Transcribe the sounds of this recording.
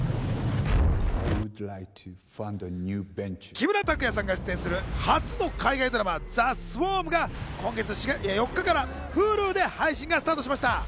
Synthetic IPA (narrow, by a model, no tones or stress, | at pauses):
a̰ɪwudlajk̚tʰufãndənjʉbɛ̃nt͡ʃkʲibɯ̟ɾat̪akɯ̟jasãŋɡaɕi̥t͡sɨẽ̞ɰ̃sɨɾɯ̟hat͡sɨno̞kaiɡaid̪o̞ɾamad͡zasɨboːmɯ̟ɡakõ̞ŋɡe̞t͡sɨɕijo̞kːakaɾa | ɸɯ̟ːɾɯːd̪e̞haiɕĩŋɡasɨ̥t̪aːt̪oɕimaɕi̥t̪a